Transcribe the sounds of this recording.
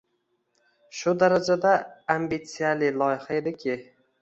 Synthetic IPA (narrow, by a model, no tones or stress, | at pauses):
ʃʊd̪aɾad͡ʒad̪aambit̪sijalɪjlˠɒjɪhae̞d̪ɪkʲʰɪ